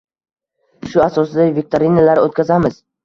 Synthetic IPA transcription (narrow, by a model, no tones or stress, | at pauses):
ʃʊasɒsɪd̪avek̚ʲt̪ʰoɾinalaɾot̪̚kʲʰazamɪz̥